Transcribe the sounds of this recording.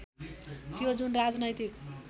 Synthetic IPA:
t̪jod͡zunrad͡znʌjt̪ik

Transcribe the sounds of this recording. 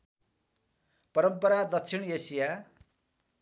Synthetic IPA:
pʌɾʌmpʌɾad̪ʌksʰinesija

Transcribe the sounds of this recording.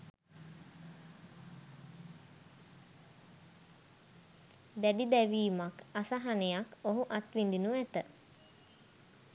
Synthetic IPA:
d̪æɖid̪æʋiːmakasaɦanejakoɦuʔat̪ʋind̪inuʋæt̪ə

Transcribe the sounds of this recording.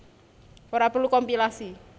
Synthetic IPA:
oɾapərlukɔmpilasi

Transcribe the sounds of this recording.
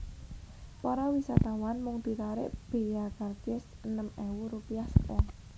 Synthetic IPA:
pɔɾɔwisat̪awanmʊŋd̪̥i̤ɾaɾɪ̰ʔb̥e̤jakart͡ʃɪsənəmɛwuɾupiahsəkɔ

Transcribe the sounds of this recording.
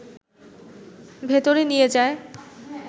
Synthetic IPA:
bʱet̪oɾenijed͡ʑae

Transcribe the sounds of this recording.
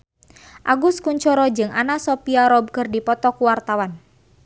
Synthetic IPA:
ʔaɡuskuɲt͡ʃɔɾɔd͡ʒɨŋanasɔpiaɾɔb̚kərdipɔt̪ɔkuwart̪awan

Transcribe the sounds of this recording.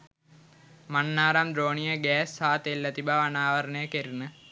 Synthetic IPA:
manːaːɾamd̪ɾoːnijəɡɛːsːaːt̪elːɐt̪ibaʋanaːʋɐɾəɳəjəkeɾinə

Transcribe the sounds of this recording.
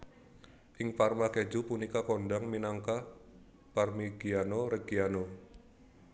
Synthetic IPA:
ʔɪŋparmaked͡ʒupunikakɔndaŋminaŋka | parmiɡianoɾəɡiano

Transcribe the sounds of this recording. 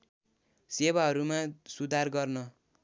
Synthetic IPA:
seβaɦʌɾumasud̪ʱarɡʌrnʌ

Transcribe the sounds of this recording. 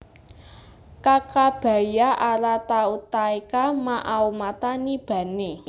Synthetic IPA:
kakab̥a̤jaʔaɾat̪aut̪aekamaʔawmat̪anib̥ä̤ne

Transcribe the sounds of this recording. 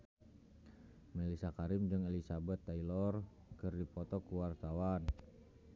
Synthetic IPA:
mɛlisakaɾimd͡ʒɨŋelisabɛt̪ːailɔr | kɨrdipɔt̪ɔkuwart̪awan

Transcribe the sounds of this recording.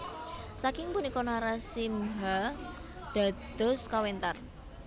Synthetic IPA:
sakɪŋpunikɔnaɾasimɦa | ɖ̪̥a̤d̪̥ɔ̤skawent̪ar

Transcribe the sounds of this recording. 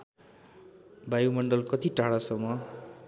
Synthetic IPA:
bajumʌɳɖʌlkʌt̪iʈaɽasʌmːʌ

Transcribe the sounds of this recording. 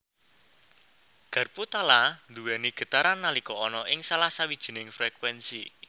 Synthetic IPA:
ɡ̥ə̤rput̪aland̪uwɛniɡ̥ə̤t̪aɾanːalikɔɔnɔʔɪŋsalahsawid̥ʒ̥i̤nɪŋfɾɛkwɛnsi

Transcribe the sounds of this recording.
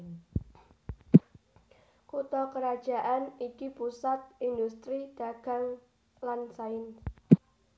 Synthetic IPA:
kut̪ɔkəɾad̥ʒ̥a̤ʔanikipusat̪̚ind̪ust̪ɾid̪̥a̤ɡ̥a̤ŋ | lansaɪn

